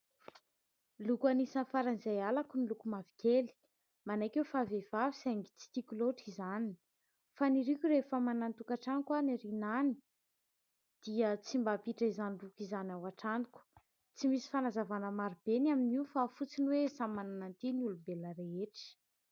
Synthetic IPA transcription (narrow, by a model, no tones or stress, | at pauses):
lukuanisanfaɾanzajalakunilukumavi̥keli̥ | manajkewfavev̥avisaŋɡit͡si̥t̪ikʲuloʈ͡ʂizani | faniɾikʲuɾefəmanant̪ukaʈ͡ʂanikwaniɾinani̥ | d̪̥iət͡simbapiʈ͡ʂəizanilukizanawaʈ͡ʂaniku̥ | t͡simisi̥fanazavanəmaɾib̥enaminiufafut͡siniwesamːananant̪iniulubeləɾeeʈ͡ʂi̥